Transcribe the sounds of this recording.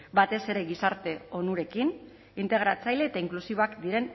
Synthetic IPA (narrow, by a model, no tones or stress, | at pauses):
bat̪e̞se̞ɾe̞ɣisaɾt̪e̞o̞nuɾe̞kin | int̪e̞ɣ̞ɾat͡sajle̞ːt̪aiŋklusiβo̞akd̪iɾe̞n